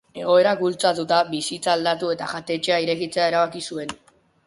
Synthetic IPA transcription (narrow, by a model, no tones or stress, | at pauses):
e̞ɣ̞o̞e̞ɾakbult͡sat̪ut̪abisit͡saːld̪at̪ue̞t̪a̰ʝat̪e̞t͡ʃe̞aiɾe̞ɣit͡se̞ae̞ɾaβakisue̞n